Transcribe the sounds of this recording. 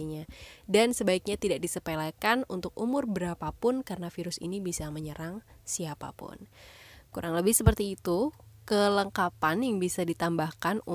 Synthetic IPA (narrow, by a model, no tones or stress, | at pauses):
ɲadansəbaik̚ɲat̪idak̚disəpelakanunt̪ʊk̚umʊrbəɾapapʊnkarənafiɾʊsḭnibisaməɲəɾaŋsiapa̰pʊ̰nkuɾaŋləbɪhsəpərt̪iːt̪ukələŋkapanjaŋbisadit̪ambahkanu